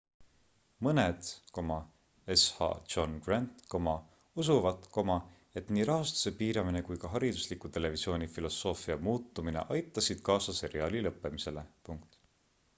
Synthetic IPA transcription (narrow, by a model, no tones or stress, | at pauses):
mɤne̞d̪̥ko̞mɑ | eshɑ̰̥ʒo̞nɡ̥rænt̪ko̞mɑ | us̬uvɑd̪ko̞mɑ | e̞t̪niːɾɑɦɑst̪u̥se̞piːɾɑmine̞kujkɑɦɑɾid̪̥uslikːut̪e̞le̞visjo̞ːnʲifilo̞sːo̞ːfiɑmuːt̪ːˑumine̞̰ʔɑjt̪ːˑɑsid̪̥kɑːsɑse̞ɾiɑːlilɤpːˑe̞mise̞le̞puŋk̚t̪